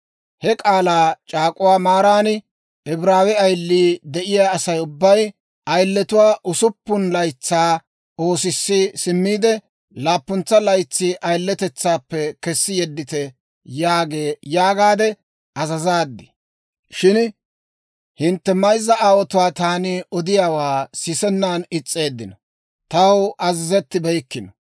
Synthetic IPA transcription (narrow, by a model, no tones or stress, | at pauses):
hɛkʼaːlaːt͡ʃʼaːkʼʊwaːmaːɾaːnɪ | ɛbɪɾaːwɛɐjlːiːd̪ɛʔɪjaːsɐjʊbːɐj | ʔɐjlːɛt̪ʊwaːʔʊsʊpːʊnlɐjt͡sːaː | o̞ːsɪsːisɪmːiːd̪ɛ | laːpːʊnt͡sːɐlɐjt͡sːiːʔɐjlːɛt̪ɛt͡sːaːpːɛkɛsːɪjɛd̪ːɪt̪ɛ | jaːɡe̞ːjaːɡaːd̪ɛ | ʔɐzɐzaːd̪ːɪ | ʃɪn | hɪnt̪ːɛmɐjzːɐʔaːwɔt̪ʊwaːt̪aːniʔɔd̪ɪjaːwaːsɪsɛnːaːnɪt͡sʼːe̞ːd̪ːɪnɔ | t̪ɐwʔɐzɪzɛt̪ːɪbɛjkːɪnɔ̥